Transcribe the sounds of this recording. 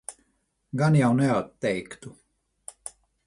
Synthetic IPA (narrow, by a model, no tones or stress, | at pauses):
ɡanjawnɛat̪ːɛjkt̪u